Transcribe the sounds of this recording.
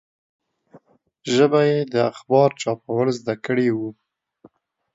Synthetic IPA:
ʒəbajed̪əaxbɑɾt͡ʃɑpawəlzd̪akəɽewu

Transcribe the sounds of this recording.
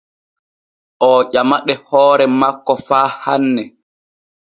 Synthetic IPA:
ʔɔːʔamaɗɛhɔːɾɛmakːɔfaːhanːɛ

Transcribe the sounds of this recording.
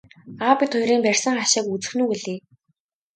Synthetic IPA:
apʲĭt̪ʰːʊjɾiːmpærʲsə̆ŋχaʃɪ̆ːkut͡sɘ̆xnuːkeɮeː

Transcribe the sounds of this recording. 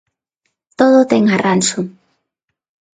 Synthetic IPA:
t̪oðʊt̪ɛŋarʔansʊ

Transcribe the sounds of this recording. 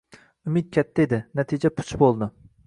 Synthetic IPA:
ʊmɪt̪̚kʲʰɛt̪ʰːɛed̪ɪnɛt̪ʰid͡ʒɛpʰʊ̥t͡ʃʰbolˠd̪ɨ

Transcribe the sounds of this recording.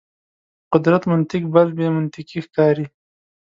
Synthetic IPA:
qʊd̪ɾat̪mʊnt̪ɪkbalbemʊnt̪ɪkixkɑːɾi

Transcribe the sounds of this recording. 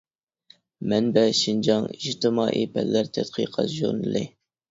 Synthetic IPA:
mɛnbɛʃind͡ʒɑŋid͡ʒt̪ɨmɑ̰ːʔipʰɛllæɾt̪ʰɛt̪qʰḭqʰɑt̪ʒṵɾnɨ̰lˠɨ̰

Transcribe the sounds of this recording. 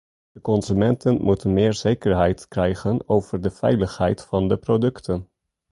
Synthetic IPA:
d̥əkɔnzymɛntənmutənmɪːɹz̥ejkəɹɦɛjtkrɛjχənowv̥əɹdəv̥ɛ̰jləχɦɛjtfɑndəprodɵktən

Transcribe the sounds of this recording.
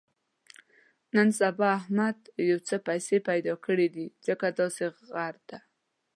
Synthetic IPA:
nənsabɑahmad̪jawt͡səpajsepajd̪ɑkəɽid̪izəkad̪ɑseɣaɾd̪̥a

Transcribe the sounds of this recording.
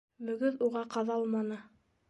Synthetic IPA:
mɵ̆ɡɵðuʁɑqɑðɑlˠmɑnɤ

